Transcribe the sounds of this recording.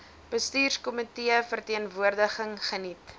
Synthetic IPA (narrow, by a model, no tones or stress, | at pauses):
b̥əstyːrskɔmitiəfərtiənvuərdəχəŋχənit